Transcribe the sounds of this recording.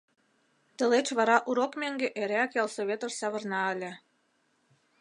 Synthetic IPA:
t̪ə̆let͡ɕβɑɾɑʔuɾokmeŋɡeʔeɾeækjɑlsoβʲet̪oʃsɑβə̆rnɑə̆lʲĕ

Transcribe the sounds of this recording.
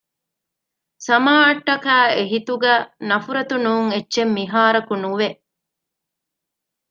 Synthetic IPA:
sɐmaːɐʈːɐkæːeɦit̪uɡæːnɐfuɾɐt̪unuːŋetːʃemːiɦaːɾɐkunuʋe

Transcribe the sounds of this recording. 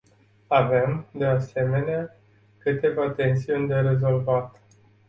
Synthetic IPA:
ave̞md̪e̞ase̞me̞nea | kɨt̪e̞vat̪e̞nsiunʲd̪e̞ɾe̞zo̞lvat̪

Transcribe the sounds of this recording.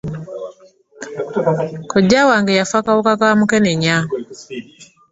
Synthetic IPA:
kɔd͡ʒawaŋɡejafakaokakamukɛneɲa

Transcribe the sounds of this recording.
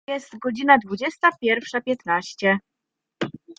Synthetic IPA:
ɛst̪ɡɔd͡ʑinad̪vud͡ʑɛst̪apʲjɛɾfʂapʲjɛt̪naɕt͡ɕɛ

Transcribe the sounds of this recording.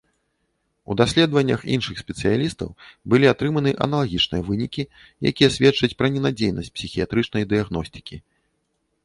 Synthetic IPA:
ṵd̪asʲlʲɛd̪vɐnʲːɐxḭnʂɨxsʲpʲɛt̪sɨjalʲist̪ɐ̰wbɨlʲiat̪ɾɨmɐnɨʔɐ̰nɐlˠaɣʲit͡ʂnɨjɐvɨnʲikʲi | ja̰kʲijɐsʲvʲɛt͡ʂɐt͡sʲpɾɐnʲɛnad͡zʲejnɐ̰sʲt͡sʲpsʲixʲijat̪ɾɨt͡ʂnɐjd̪ɨjaɣnɔsʲt̪ɨ̥kʲi

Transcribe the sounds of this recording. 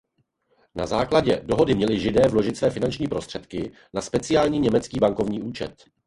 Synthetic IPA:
na̰zaːklaɟɛdo̞ɦo̞dɪmɲɛlɪʒɪdɛːvlo̞ʒɪt̪svɛːfɪnant͡ʃɲiːpɾo̞str̥ɛt̪kɪ | naspɛt͡sɪjaːlɲiːɲɛmɛt͡skiːbaŋko̞vɲiːʔuːt͡ʃɛ̰t̪

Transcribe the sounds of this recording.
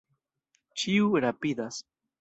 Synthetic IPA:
t͡ʃiuɾapid̪as

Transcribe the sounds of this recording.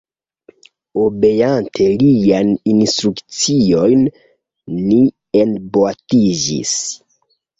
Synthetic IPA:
obe̞jantʰe̞lijaninstɾukt͡sio̞jnː | i | enboatid͡ʒḭs

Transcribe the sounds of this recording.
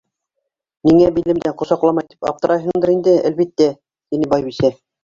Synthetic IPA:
niŋæbilɘ̆md̪æɴqŏsɑqlˠɑmɑjt̪i̥pɑ̰p̚t̪ɤ̆ɾɑjɦɤ̆ɴd̪ɤɾind̪ɘæ̰lβit̪ːæ | t̪inɘbɑjβisæ

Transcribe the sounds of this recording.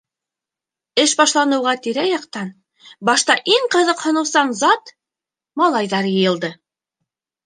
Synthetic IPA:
ɘʃbɑʃlˠɑnɤ̆wʁɑt̪iɾæjɑqt̪ɑn | bɑʃt̪ɑʔiɴqɤ̆ðɤqhŏnɤ̆wsɑnzɑt̪ | mɑlˠɑjðɑɾjɤ̆jɤ̆lˠd̪ɤ

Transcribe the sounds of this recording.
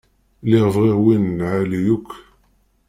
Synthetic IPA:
lɪʁəvʁeʁwinːʕalijukː

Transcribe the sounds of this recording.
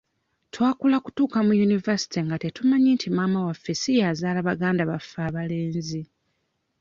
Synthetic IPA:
twaːkulaku̥tuːkamujunivasi̥tiŋɡatetumaɲiːntʰimaːmawafːe̞sijazaːlaβaɡaːndaβafːaːβale̞ːnzi

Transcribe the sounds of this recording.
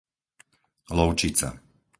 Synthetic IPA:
lɔʊt͡ʃit͡sa̰

